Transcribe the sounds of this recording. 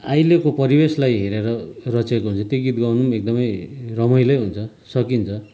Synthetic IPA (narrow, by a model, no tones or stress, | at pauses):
ajlekopʌɾibeslajɦeɾeɾʌrʌt͡sekoɦunt͡sʰʌt̪joɡit̪ɡʌwnumek̚d̪ʌmʌjrʌmʌjlʌjɦunt͡sʰʌ | sʌkint͡sʰʌ